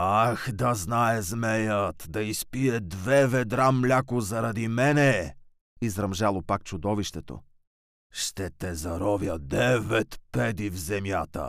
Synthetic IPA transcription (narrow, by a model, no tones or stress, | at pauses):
axd̪ɐznaɛzmɛjət̪d̪ɐispiɛd̪vɛvɛd̪ɾamlʲakʊzɐɾɐd̪imɛnɛ | izɾɐmʒalˠopak̚t͡ʃʊd̪ɔviʃt̪ɛt̪o̰ | ʃt̪ɛt̪ɛzɐɾɔvjəd̪ɛvɛt̪pɛd̪ivzɛmjat̪ə̰